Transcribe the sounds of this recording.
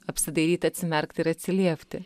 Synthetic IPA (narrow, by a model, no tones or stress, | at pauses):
ɐpʲsʲɪd̪ɐɪɾʲiːt̪ɐt̪ʲsʲɪmʲɛɾkt̪ʲɪɾɐt̪ʲsʲɪlʲiɛpʲt̪ʲɪ